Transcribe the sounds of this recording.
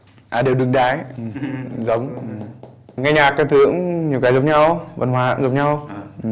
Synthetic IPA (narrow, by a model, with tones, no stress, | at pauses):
ʔaː˨˩ɗe˨˩wɗɨ˨˧˩ŋɗaː˨˦jzə˨˦wŋ͡mŋaː˧jɲaː˨˩k̚ːaː˨˦t̪ʰɨ˧˥əŋɲi˨˩əwkaː˨˦jzə˨˩˦ŋ͡m̚ɲa˧wvə̰˧˩nɦwaː˧˩a̰˧˥ŋzə˨˩p̚ɲa˧w